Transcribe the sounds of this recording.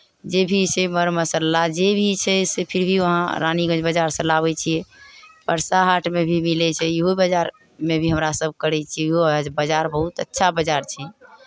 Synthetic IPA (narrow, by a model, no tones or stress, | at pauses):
d͡ʒebʱiseməɾməsəlːad͡ʒebʱit͡ʃʰɛsepʰiɾbʱiʋəɦã̰ɾa̰niɡə̃d͡ʒbəd͡ʒaɾsə̃laβɛt͡ʃʰijɛpəɾsaɦaʈʰmebʱimilɛt͡ʃʰɛiɦobəd͡ʒaɾ | mebʱiɦəmɾasəb̚ʱkəɾɛt͡ʃʰiɦod͡ʒbəd͡ʒaɾbəɦut̪ə̰tːʃʰabəd͡ʒaɾt͡ʃʰɛ